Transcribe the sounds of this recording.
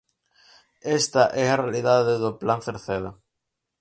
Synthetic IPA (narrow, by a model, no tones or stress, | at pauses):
est̪ɐʔɛarealiðaðeðoplanθeɾθeða